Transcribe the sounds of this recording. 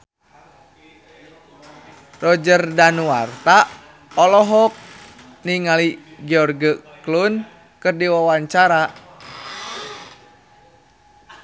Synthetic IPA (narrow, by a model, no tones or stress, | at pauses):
rɔd͡ʒərdanuart̪a | ɔlɔɦɔk̚ | niŋaliɡɛɔrɡəklun | kɨrdiwawaɲt͡ʃaɾa